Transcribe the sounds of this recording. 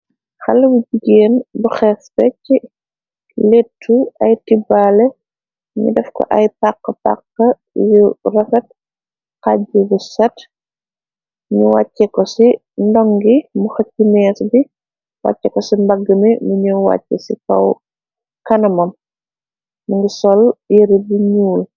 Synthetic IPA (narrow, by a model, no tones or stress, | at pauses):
xɐlːɐbuɟiɡeːnbuxɛfbɛci | letʰːuɐjtibalɛ | ɲṵdɛfkɔ̰ʔɐjpaqːɐpa̰kːɐ | jurɐfɐt̚ | kaɟibusɐt | ɲuwacːɛkɔsi | ndɔŋɡimuxɐcːinɛːsbi | wa̰cːɛkɔsimbaɡəmimuɲuwa̰cːɛ̰sikɐ̰w | kɐnɐmɐm | muŋɡisɔljeɾibiɲuːl